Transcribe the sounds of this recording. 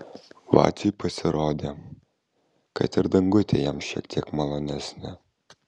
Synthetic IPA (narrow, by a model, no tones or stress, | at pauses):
vɑ̰ːt̪ʲipʰɐsʲɪɾoːd̪ʲe | kɐ̰t̪ɪɾd̪ɐŋɡʊt̪ʲejɛmʃʲḭɛkt̪ʲiɛkmɐlˠonʲæsʲnʲɪ